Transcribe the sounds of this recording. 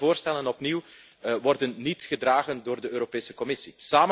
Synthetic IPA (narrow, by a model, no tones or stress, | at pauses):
voːrstɛlənɔpniw | ʋɔrdənːitxədraːɣəndoːrdəøːɾopeːsə̥kɔmɪsisaːmə